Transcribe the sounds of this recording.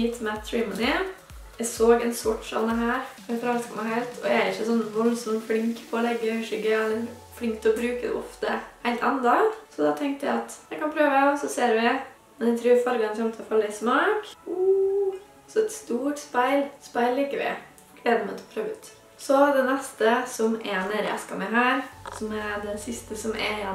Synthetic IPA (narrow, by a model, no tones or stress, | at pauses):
it̪ʰmæt̪ʰːɹimənɪ | ɛɪsoːɡɛnsɔʈːsɔ̰nd̪əɦæːɾ | ɛlfɾɑlt̪skʰɔmæɦæɪlt̪ʰɔ̰jææɾɪçːəsɔnʋɔlsɔmfɽɪŋkpʰɔɔlɛɡːəʏʂʏɡəɛlːəɾ | fɽɪŋk̚t̪ɔbɾʉːkəd̪ɛ̰ʔɔft̪ə̰hæɪlt̪ɑ̰nd̪ɑsɔd̪ɑt̪ʰɛŋkt̪əjæ̰ɪɑt̪jɛɪkɑnpʰɾøːʋəɔsɔseːɾʋɛ | mɛnɛt̪ʰɾʉːɾfɑɾɡɑnt̪ɔmt̪ʰɛɔfɑlːəsmɑːku | sɔɛt̪st̪uːʈspæɪlspæɪllːiːkəʋɪ̰ | ɡ̥ʰleːd̪əmæɪt̪ʰɛɔpʰɾøːʋʉːt̪ | sɔd̪ɛnɛst̪əsɔmɛnɛːɾəʔæɛ̰skɑ̰mɛɦæːɾsɔmɛd̪ɛnsɪst̪əsɔmɛ̰